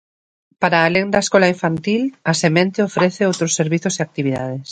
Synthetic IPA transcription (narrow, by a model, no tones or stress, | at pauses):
paɾaːleŋd̪aeskɔlaiɱfant̪ilɐsemẽnt̪eofɾeθeowt̪ɾoseɾβiθʊseak̚t̪iβ̞iða̰ð̞es